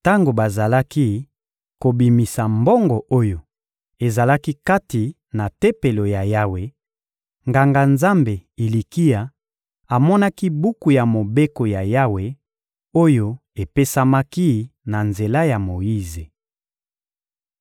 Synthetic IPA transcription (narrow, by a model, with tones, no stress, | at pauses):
ta˦ŋɡo˨ba˨za˨la˦ki˦ | ko˨bi˨mi˨sa˨mbɔ˦ŋɡɔ˨ʔo˦jo˨ | e˨za˨la˦ki˦ka˦ti˨ | na˨te˦pe˨lo˨ja˨ja˦we˨ | ŋɡa˨ŋɡa˨nza˦mbe˨i˨li˨ki˦a˨ | a˨mɔ˦na˦ki˦bu˦ku˨ja˨mo˨be˦ko˨ja˨ja˦we˨ | o˦jo˦e˨pe˦sa˦ma˦ki˦na˨nze˨la˦ja˨mo˨ji˦ze˨